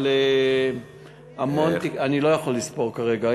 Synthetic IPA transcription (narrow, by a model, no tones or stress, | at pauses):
le | amo̞nt̪ianilo̞jaχolːispo̞ʁkaʁe̞ɡa